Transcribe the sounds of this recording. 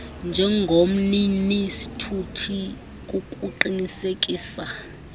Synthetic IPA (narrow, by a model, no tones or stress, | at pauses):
nd͡ʒʱɛŋɡʱom̩ninisi̥tʰutʰi | k̬ʼukʼuǃinisek̬ʼiːsa